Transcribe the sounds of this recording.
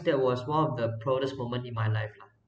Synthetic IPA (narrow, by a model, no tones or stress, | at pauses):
dɛt̚wɔswãnɔfdəpʰɹɔɡəsmõmə̃ntĩnmajlajfla